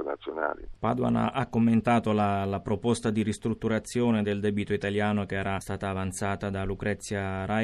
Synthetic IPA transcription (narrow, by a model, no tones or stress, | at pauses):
nat̪sːjona̰ːlḭpa̰d̪wa̰na̰ʔakːomːent̪aːt̪olalapɾopost̪ad̪irist̪ɾut̪ːuɾat̪sːjoːned̪eld̪ɛbit̪oit̪aljaːnok̟eɛːɾʔast̪aːt̪aːvant̪saːt̪ad̪alukɾɛt̪sːjaɾa